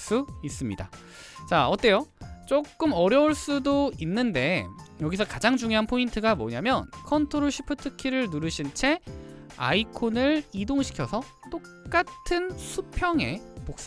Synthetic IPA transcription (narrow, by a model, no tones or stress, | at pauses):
s͈uis͈ɯmɲida̰ | t͡ɕaʌt͈e̞jot͡ɕ͈ok͈ɯmʌɾjʌuɭs͈udoinːɯnde̞jʌɡisʰʌkad͡ʑaŋd͡ʑuŋjoɦanpʰointʰɯɡamʌ̰ɲamjʌnkʰʌntʰoɾoɕʰi̥pʰɯtʰɯkʰiɾɯɭnuɾɯɕʰint͡ɕʰe̞ | a̰ikʰonɯɭidoŋɕʰi̥kʰjʌsʰʌ | t͈o | k͈atʰɯnsʰupʰjʌŋe̞̰pok̚s͈